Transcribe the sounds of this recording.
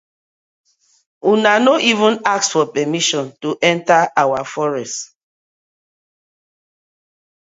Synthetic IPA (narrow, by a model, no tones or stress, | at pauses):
unanoʔivũnak̚sfɔpɛmiʃɔ̃ntuʔɛ̃ntaawafɔɹɛst